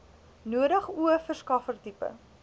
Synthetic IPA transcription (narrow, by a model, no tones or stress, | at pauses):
nuəɾəχuəfərskɐfərtipə̰